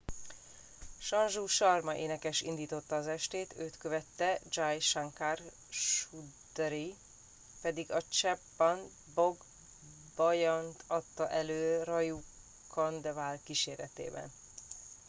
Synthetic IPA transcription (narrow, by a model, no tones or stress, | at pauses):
ʃɒnʒuːʃɒrmɒʔeːnɛkɛʃḭnd̪iːt̪o̞t̪ːɒːzɛʃt̪eːt̪øːt̪køvɛt̪ːɛd͡ʒaːjʃaŋkaːr | ʃud̪ɛɾi | pɛd̪iɡɒt͡ʃɛpːɒn | boɡ | bɒjɒnt̪ɒt̪ːɒʔɛløːrɒju | kʰond̪valkiʃeːrɾɛt̪ḛːbɛ̰n